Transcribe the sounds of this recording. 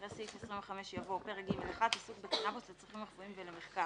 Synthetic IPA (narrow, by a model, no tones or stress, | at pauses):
ʁesifesʁiɱveχame̞ʃjavopeʁeɡimaleχad̪asukbekanaboslet͡sʁiχimeʁfuimvelemeχka